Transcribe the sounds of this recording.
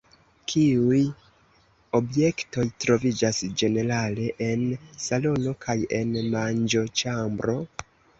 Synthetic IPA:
kʰiuj | o̞bje̞kto̞jtɾo̞vid͡ʒasd͡ʒe̞ne̞ɾale̞ʔensalo̞no̞kʰaje̞nmand͡ʒo̞t͡ʃambɾo̞

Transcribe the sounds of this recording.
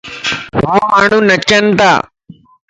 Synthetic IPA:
ɦoːmaːɳ̤ũnɐt͡ʃənt̪a̰ː

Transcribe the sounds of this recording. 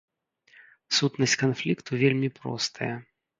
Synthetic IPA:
sut̪nɐsʲkanflʲikt̪uvʲelʲmʲipɾɔ̰st̪ʰɐjɐ

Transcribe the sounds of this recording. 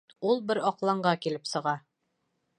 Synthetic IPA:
ulˠbɘɾɒqlˠɑɴɢɑkilɘpsɤ̆ʁɑ

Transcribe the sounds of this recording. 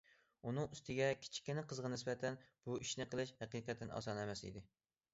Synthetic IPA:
unɨŋyst̪ɪɡʲɛkʲʰi̥t͡ʃʰi̥kʲːɪnɪqʰəzʁɑnɪsbɛt̪ʰɛnb̥uiʃnɪqʰəlˠɨʃhæqiqɛt̪ʰːɪnʔɑ̰sɑnɛmɛsḭd̪ɪ

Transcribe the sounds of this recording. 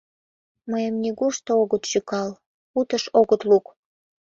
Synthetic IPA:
məjəmnʲiɣuʃt̪ooɣət̪ʃykɑl | ut̪əʃoɣət̪luk

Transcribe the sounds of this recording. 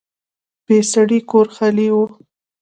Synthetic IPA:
b̥esaɽikoɾxaliwu

